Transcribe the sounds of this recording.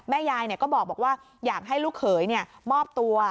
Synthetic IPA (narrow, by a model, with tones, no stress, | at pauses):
mɛː˦˥˩jaː˧jni˧˩kɔː˦˥˩ɓɔː˨˩k̚ɓɔː˨˩k̚waː˥˩ | jaː˨˩k̚ɦa˥˩jlu˦˥˩k̚xʰəː˩˦jni˧˩əmɔː˥˩p̚t̪u˧ə